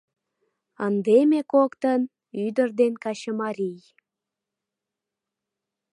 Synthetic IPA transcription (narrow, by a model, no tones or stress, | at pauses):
ənd̪emekokt̪ən | yd̪ərd̪enkɑɕəmɑɾʲij